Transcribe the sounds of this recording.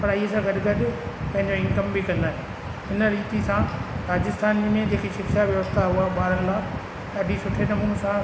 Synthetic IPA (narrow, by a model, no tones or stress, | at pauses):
pɐɾiːɦesãɡɐɗɪɡɐɗʊpɐ̃ɦɪ̃ɲd͡ʑoɪ̃nkəmbikɐ̃nd̪aːɦe | ɦɪnə̆ɾiːt̪isãɾaːd͡ʑɪst̪aːnmẽd͡ʑeːkiʃɪkʃaʋjɐʋəst̪aɦʊɦaɓaːɾənɪlaː | ɠaːɖʱisʊʈʰenɐmũsã